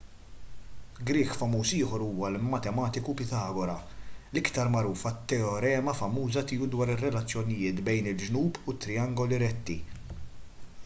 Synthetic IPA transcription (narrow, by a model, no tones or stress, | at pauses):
ɡɾɪːkfɐmuːsɪːħɔɾuːwɐlmɐt̪ɛmɐːt̪ɪkupɪt̪ɐːɡɔɾɐlɪkt̪ɐɾmɐɾuːfɐt̪ːɛɔɾɛːmɐfɐmuːzɐt̪iːud̪wɐːɾɪrːɛlɐt͡sːjɔnɪjɪːt̪bɛjnɪld͡ʒnuːbʊt̪ːɾɪɐŋɡɔliɾɛt̪ːḭ